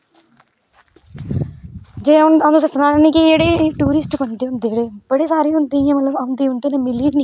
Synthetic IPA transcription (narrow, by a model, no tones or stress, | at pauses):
d͡ʒeːʊnãnʊs̬eːsənaːlɛːnẽːkid͡ʒeːɽeːʈuːɾɪsʈbənd̪eːɦʊnd̪eːeːɽeːb̥əɽeːsaːɾeːɦʊnd̪ĩːãːmət̪ləbənd̪iːɦʊnd̪eːnẽːmɪliːd͡ʒni